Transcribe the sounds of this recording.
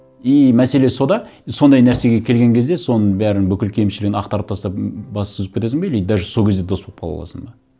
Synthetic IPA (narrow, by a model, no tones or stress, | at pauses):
ijmæse̞le̞so̞d̪ɑso̞nd̪ɑjnæɾse̞ɡʲe̞kʲʰelɡʲe̞ŋkʲʰe̞zd̪e̞so̞nəɴbæɾɪnbʏkʲɪlkʲʰe̞jmʃɪlɪɡʲɪnɑqt̪ɑɾəpt̪ʰɑst̪ɑpbɑssøzɪpkʲet̪e̞sɪŋbejlejd̪̚d̪æʒso̞lˠkʲʰed̪e̞d̪o̞sbolˠp̚qɑlˠɑ̰lˠɑ̰səɴbɑ